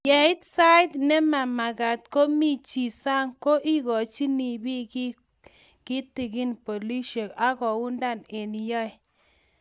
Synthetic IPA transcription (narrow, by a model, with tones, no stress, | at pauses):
ja˨i˦t̪sa˦jt̪nɛ˦ma˨ma˨ɡa˨t̪̚ko˦mi˦t͡ʃi˨sa˦ŋko˦ʔi˦ɡɔ˨t͡ʃi˦ni˨bi˦k | ki˦t̪i˨ɡi˦npo˨li˦ʃɔ˨ka˦ɡɔ˨wu˦nda˦˨ne˨ni˨jɔ˦j